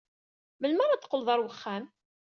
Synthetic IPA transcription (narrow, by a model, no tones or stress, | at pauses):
məlməɾˤat͡s̪ːqːəlðˤɑɾˤwəχːæm